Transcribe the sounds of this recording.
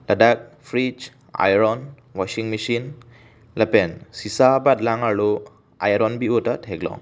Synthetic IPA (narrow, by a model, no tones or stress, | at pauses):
lɐdak̚pʰɾid͡ʒ | a̰jɾɔn | wɔsiŋmisin | lɐpensisabat̚laŋalu | ajɾɔnbiotatʰeɡlɔ̰ŋ